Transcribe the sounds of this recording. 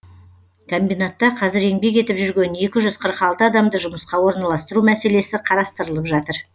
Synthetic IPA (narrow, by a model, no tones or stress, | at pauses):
kʰombijnat̪ːɑqʰɑzɪɾe̞ŋbe̞ke̞t̪ɪpʒʏɾɡʲe̞ne̞kʲɪʒʏzqʰəɾqɑlˠt̪əɑd̪ɑmd̪əʒʊməsqɑwo̞ɾnɑlˠɑst̪əɾumæse̞le̞sɪqʰɑɾɑst̪əɾəlˠəpʒɑt̪əɾ